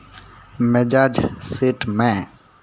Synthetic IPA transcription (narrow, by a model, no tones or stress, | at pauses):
med͡ʒaːd͡ʒseːʈmɛ̃